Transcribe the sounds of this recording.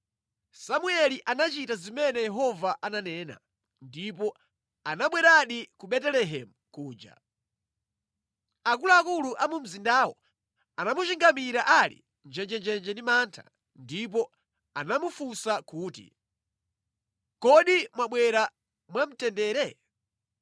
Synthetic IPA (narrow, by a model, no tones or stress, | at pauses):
samuɛliʔanat͡ʃitazimɛnɛjɛɦɔvaʔananɛːna̰ | ndip̬ɔ | anaɓwɛɾaɗikuɓɛtɛlɛɦɛmukuːd͡ʒa̰ | akuluakuluʔamum̩zindawɔ̰ | anamut͡ʃiŋɡamiɾaʔalḭ | nd͡ʒɛnd͡ʒɛnd͡ʒɛnd͡ʒɛndimantʰa̰ | ndip̬ɔ | anamufusakuːtḭ | kɔɗimwaɓwɛɾa | mwam̩tɛndɛːɾɛ